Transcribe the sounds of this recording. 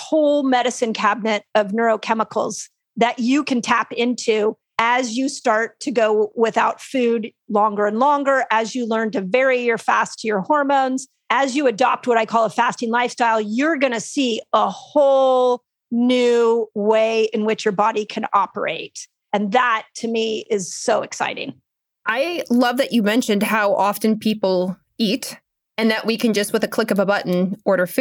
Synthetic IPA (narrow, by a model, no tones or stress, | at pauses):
hoʊlˠmɛɾɨsɨ̃nkʰæb̚nɨɾʌvnɜ˞oʊkʰɛməkʰl̩ˠz | ðɨt͡ʃɨkʰɨ̃n̩tʰæpɪ̃ntʰʉ | ɨzjɨstɑɹtʰɨɡoʊwɪθaʊtfʉd | lɔ̃ŋɡə˞ɨ̃nlɔ̃ŋɡə˞ʔɨzjɨlɜ̃˞ntɨvɛɹiə˞fæstʰjə˞hɔɹmõʊ̃nz̥ | ɨzjɨɨdɑp̚t̚wʌɾaɪkʰɔlˠəfæstɪ̃ŋlaɪfstaɪlˠjə˞ɡʌñɨsiəhoʊlˠ | nʉweɪʔɨ̃nwɪt͡ʃjə˞bɑɾikʰɨ̃nɑ̰pə̰˞ḛɪt̚ | ɨ̃nðətʰɨmiɪz̥soʊɨksa̰ɪɾɪ̰̃ŋ | ʔaɪlʌvðɨt͡ʃɨmɛ̃nʃɨ̃nd̚haʊʔɑfɨ̃npʰipl̩ˠ | it | ɨ̃nðɨʔwʔikɨ̃nd͡ʒʌst̚wəðɨkʰl̥ɪkʌvəbʌʔn̩ɔɹɾə˞f